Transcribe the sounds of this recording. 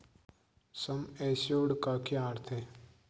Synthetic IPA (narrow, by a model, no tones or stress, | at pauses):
sɐmeːsoːɽkakʰiaːɾt̪ʰe